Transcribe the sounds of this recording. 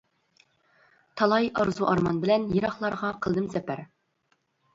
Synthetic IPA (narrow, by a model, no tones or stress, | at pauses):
t̪ʰɑlˠɑjɑɾzuʔɑɾmɑnbɪlɛnjeɾɑχlˠɑɾʁɑqʰəlˠd̪ɨmzɛpæɾ